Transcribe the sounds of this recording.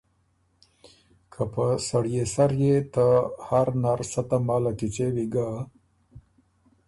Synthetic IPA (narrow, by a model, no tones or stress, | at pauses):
kʰapəsaɽjesaɾjet̪ahaɾnaɾsat̪amalakit͡ʃewiɡa